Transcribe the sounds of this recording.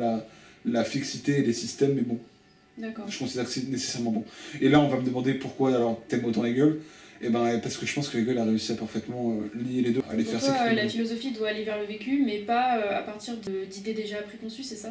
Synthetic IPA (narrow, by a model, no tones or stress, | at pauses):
lalafiksit̪eːd̪esist̪ɛmːɛbɔ̃ | d̪akɔʒə̥kɔ̃sid̪ɛʁkəsɛnese̥sɛʁmɑ̃bɔ̃elaɔ̃vaməd̪əmɑ̃d̪epuʁkwaalɔʁt̪ɛmot̪ɑ̃leɡʲœl | ebɛ̃paʁsə̥kəʒə̥pɑ̃skəleɡʲœlaʁeysiapaʁfɛt̪mɑ̃ølijeled̪øa̰lefɛʁsɛalafilɔzɔfid̪waːlevɛʁləvekʲymɛpaøa̰paʁt̪iʁd̪əd̪id̪ed̪eʒapχekɔ̃sysɛsa